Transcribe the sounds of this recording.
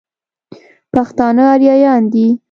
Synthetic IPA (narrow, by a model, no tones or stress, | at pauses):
paxt̪ɑnəaɾjɑjɑnd̪i